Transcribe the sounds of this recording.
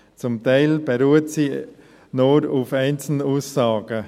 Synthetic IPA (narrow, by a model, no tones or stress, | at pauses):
t͡sʊmtɛɪlb̥ɛɾuːətsiː | noɾufɛɪnt͡sl̩nuːsːɑːɡ̥ə